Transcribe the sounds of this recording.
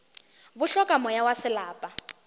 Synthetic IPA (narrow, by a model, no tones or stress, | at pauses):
βuɬɔkʼamɔjawasɪlaːpʼa